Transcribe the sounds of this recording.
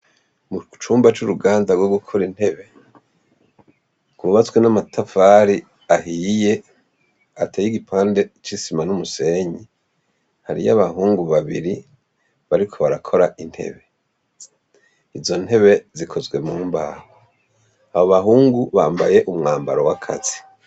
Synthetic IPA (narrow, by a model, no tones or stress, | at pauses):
mut͡ʃuːmbat͡ʃuɾuɡaːndaɡwoɡukʰoɾin̥he̞βe̞ | kuɾuβat͡swenamatʰafaɾi | aɦije̞ | atʰeːjiɡipʰaːnde̞t͡ʃisimanumuse̞ɲi | haɾḭjaβaɦuːŋɡuβaβiɾi | βaɾikʰo̞βaɾakʰo̞ɾaʔin̥he̞̰βe̞ | izo̞n̥he̞βe̞zikʰo̞zɡwe̞muːmba̰ːho | aβoβaɦuːŋɡuβaːmbaje̞ʔumŋaːmba̰ɾowakʰa̰z̥i